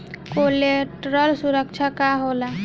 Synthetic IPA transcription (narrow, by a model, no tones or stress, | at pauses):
koleʈɾʌlsuɾək̚t͡ʃʰakaɦola